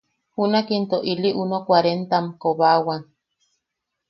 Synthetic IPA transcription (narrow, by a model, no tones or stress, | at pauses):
hunakint̪oʔiliʔunokwaɾent̪amkoβawaŋ